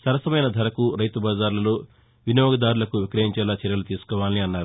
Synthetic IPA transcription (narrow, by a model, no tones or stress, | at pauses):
sɐɾɐsɐmɐjnɐd̪ʱɐɾɐkuɾɐjt̪ubaːd͡ʒaːɾlɐloː | ʋinjɔːɡɐd̪aːɾulɐkuʋikɾɐɦiɲt͡ʃɛːlaːt͡ʃɛɾjɐlut̪iːsu̥kɔːʋaːlniɐnːaːɾu